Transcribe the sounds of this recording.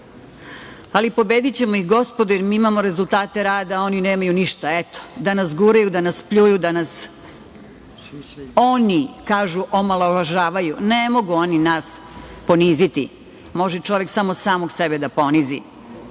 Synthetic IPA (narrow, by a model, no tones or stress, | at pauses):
alipo̞be̞d̪it͡ɕe̞mo̞ixɡo̞spo̞d̪ujeɾmiimamo̞ɾe̞zulˠt̪aːt̪e̞ɾaːd̪ao̞nine̞ːmajuniʃt̪aet̪o̥d̪anasɡuɾajud̪anaspʎujud̪anas | o̞nikaːʒuʔomalˠooʋaʒaːʋajunemo̞ɡuo̞ninas | po̞niːzit̪ḭ | mo̞ʒɛt͡ʃo̞ʋe̞ksamo̞saːmo̞ɡsebe̞d̪apo̞nizḭ